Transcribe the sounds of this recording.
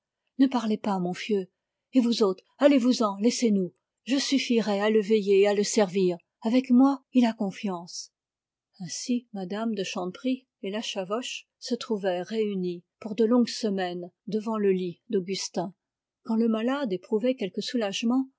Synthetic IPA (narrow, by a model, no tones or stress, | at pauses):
nəpaʁlepamɔ̃fjø | evuzot̪χalevuzɑ̃lɛsenu | ʒəsyfiʁɛaləvejealəsɛʁviːʁ | avɛkmwailakɔ̃fjɑ̃s | ɛ̃simad̪amd̪əʃɑ̃pχi | elaʃavɔʃ | sət̪χuvɛʁeynipuʁd̪əlɔ̃ɡsəmɛnd̪əvɑ̃ləlid̪oɡʲyst̪ɛ̃ | kɑ̃ləmalad̪epχuvɛkʲɛlkəsulaʒmɑ̃